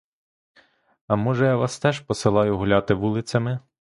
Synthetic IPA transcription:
ɐmɔʒɛjaʋɑst̪ɛʃpɔsɪlˠɑjʊɦʊlʲɑt̪ɪʋulˠɪt͡s̪ʲɐmɪ

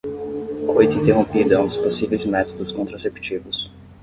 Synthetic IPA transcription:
kʰojt̪ɐĩnt̪eɦõmpid̪ɐɐ̃d̪ʊsposivejzmɛt̪od̪ʊskõnt̪ɾasept͡ʃivʊs

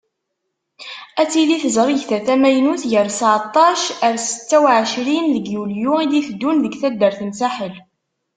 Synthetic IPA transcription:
æt͡sːiliθəzɾˤiʝθæθæmæjnuθʝəɾsəʕt̪ˤːɑʃəɾsə̥t͡sːæwʕəʃɾinðəɡjuljuid̪iθəd̪ːunðəɡθæd̪ːəɾθənsæħəl

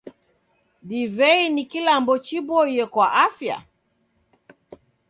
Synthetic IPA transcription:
divɛinikilambɔt͡ʃibɔijɛkwaʔafja̰

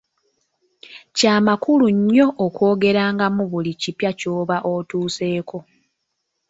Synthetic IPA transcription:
caːmakuluɲːo̞ʔːkwo̞ːɡe̞ɾaːŋɡamuβulicipjaco̞ːβaʔotuːse̞ːko̞

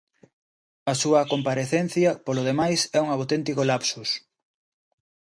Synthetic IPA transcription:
ɐsuɐkompaɾeθen̟θjɐpoloð̞emajsɛuŋawt̪ɛnt̪ikolapsus

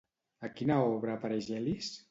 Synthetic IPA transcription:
akinaɔβɾaːpaɾeʒɛlis

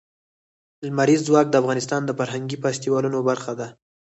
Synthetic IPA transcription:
lmaɾizːwɑk̚d̪əafɣɑnɪst̪ɑnd̪əfaɾɦaŋɡipast̪iwɑlunobaɾxad̪a

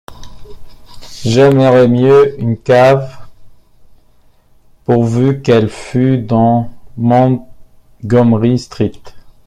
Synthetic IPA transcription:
ʒaməʁɛmjøynkav | puʁvykɛlfyd̪ɑ̃mɑ̃ | ɡɔmʁist̪χik̚t̪

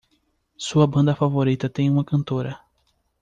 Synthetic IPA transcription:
suɐbɐ̃nd̪ɐfavoɾit̪ɐt̪ẽj̃ũmɐkɐ̃nt̪oɾɐ

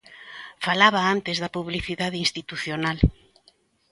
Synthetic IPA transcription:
falaβaant̪ezðɐpuβliθiðaðeinst̪it̪uθjonal

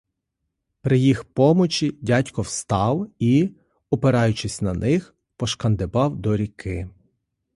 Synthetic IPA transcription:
pɾɪjixpɔmɔt͡ʃidʲatʲkɔwst̪ɑwi | ɔpeɾɑjʊt͡ʃɪsʲnɐnɪx | pɔʃkɐnd̪ebɑwd̪ɔɾʲikʰɪ

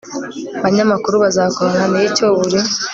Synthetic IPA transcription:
βaɲamakuɾuβazaːkoɾŋanijicoβuɾi

